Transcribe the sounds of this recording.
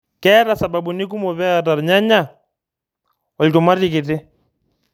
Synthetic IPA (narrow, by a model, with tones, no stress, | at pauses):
kɛ˦ɾa˨sa˨ba˨bu˨ni˦k̬u˦mɔ˨βɛ˦a˨t̬a˨ɾɲa˦ɲa˦˨ | ɔ˨ltʊ˨ma˦ti˦˨k̬ɪ˨tɪ˦